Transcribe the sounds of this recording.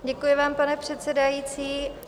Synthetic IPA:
ɟɛkujɪvaːmpanɛpr̝̥ɛt̪sɛdajiːt͡siː

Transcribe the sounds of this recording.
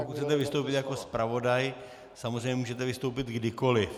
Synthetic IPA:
pokut̪ːt͡sɛt̪ɛvɪst̪owpɪt̪jako̞spɾavo̞daj | samozrejɲɛmuːʒɛt̪ɛvɪst̪o̞wp̬ɪt̪ɡdɪko̞lɪf

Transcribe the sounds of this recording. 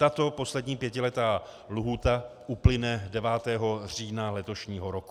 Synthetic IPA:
t̪at̪o̞po̞slɛdɲiːpjɛcɪlɛt̪aː | luɦuːt̪aʔuplɪnɛdɛvaːt̪ɛːɦo̞r̝iːnalɛt̪o̞ʃɲiːɦoɾoku̥

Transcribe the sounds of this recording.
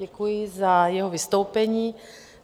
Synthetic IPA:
ɛkujɪzajɛɦovɪst̪owpɛɲiː

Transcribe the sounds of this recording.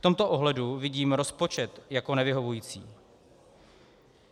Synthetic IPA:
ft̪o̞mt̪o̞ʔoɦlɛduvɪɟiːmɾo̞spo̞t͡ʃɛt̪jako̞nɛvɪɦo̞vujiːt͡sḭː

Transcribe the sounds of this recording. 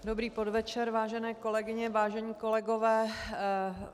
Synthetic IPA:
dobɾiːpo̞dvɛt͡ʃɛɾvaːʒɛnɛːko̞lɛɡɪɲɛvaːʒɛɲiːko̞lɛɡo̞vɛː

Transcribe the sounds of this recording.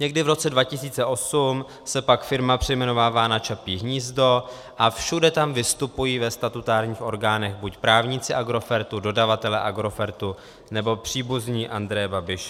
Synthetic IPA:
ɲɛɡdɪvɾo̞t͡sɛdvacɪsiːt͡sɛʔo̞sum | sɛpakfɪɾmapr̥ɛjmɛno̞vaːvaːnat͡ʃapiːɦɲiːzdo̞ | ʔafʃudɛt̪amvɪst̪upujiːvɛst̪at̪ut̪aːɾɲiːxʔo̞ɾɡaːnɛɣbucpɾaːvɲɪt͡sɪʔaɡɾo̞fɛɾt̪udo̞davat̪ɛlɛʔaɡɾo̞fɛɾt̪u | nɛbo̞pr̝̥iːbuzɲiːʔand̪ɾɛjɛbabɪʃ

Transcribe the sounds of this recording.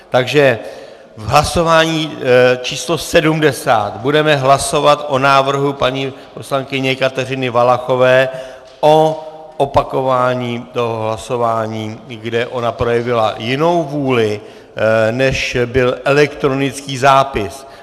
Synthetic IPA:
t̪aɡʒɛ | vɦlaso̞vaːɲiːt͡ʃiːslo̞sɛdumdɛsa̰ːt̪budɛmɛɦlaso̞vat̪ʔo̞naːvr̩ɦupaɲiːpo̞slaŋkɪɲɛkat̪ɛr̝ɪnɪvalaxo̞vɛː | ʔo̞ | ʔopako̞vaːɲiːt̪o̞ɦoɦlaso̞vaːɲiːɡdɛʔo̞napɾo̞jɛvɪla̰jɪno̞wvuːlɪ | nɛʃbɪlʔɛlɛkt̪ɾo̞nɪt͡skiːzaːpɪs

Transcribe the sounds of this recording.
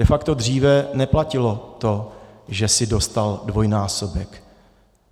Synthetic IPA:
ɛfakt̪o̞dr̝iːvɛnɛplacɪlo̞t̪o̞ʒɛsɪdo̞st̪aldvo̞jnaːsobɛk

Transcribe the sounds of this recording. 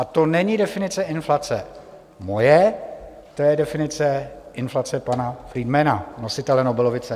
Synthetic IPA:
ʔat̪o̞nɛɲɪdɛfɪnɪt͡sɛʔɪnflat͡sɛ | mo̞jɛ | t̪ojɛdɛfɪnɪt͡sɛɪnflat͡sɛpanafɾiːdmɛnano̞sɪt̪ɛlɛnobɪlovɪt͡sɛ

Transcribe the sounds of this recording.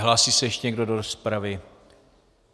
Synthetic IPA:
ɦlaːsiːsɛjɛʃcɛɲɛɡdodoɾospɾavɪ

